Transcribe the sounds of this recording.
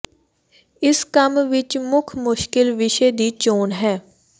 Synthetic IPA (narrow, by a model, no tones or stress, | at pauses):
ɪskəmʋɪt͡ʃmʊkʰmʊʃkɪlʋɪʃed̪iːt͡ʃoːnɦɛː